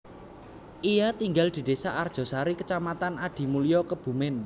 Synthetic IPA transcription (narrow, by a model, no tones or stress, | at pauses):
ʔijat̪iŋɡald̪̥i̤d̪̥e̤saʔard̥ʒ̥ɔ̤saɾikət͡ʃamat̪anaɖ̪̥i̤mulijɔkəb̥ṳmɪn